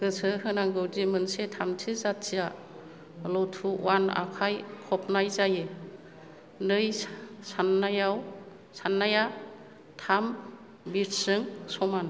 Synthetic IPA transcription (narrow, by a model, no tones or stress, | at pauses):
ɡ̥ɯsʰɯhɯnaŋɡɯwdimɯnsetʰamtʰizatːija | lɔtʰuwana̰kʰajkʰɔp̚ʰnajzajɯ | nɯjsanːajaw | sanːaja | tʰam | biɾsɯŋsɔman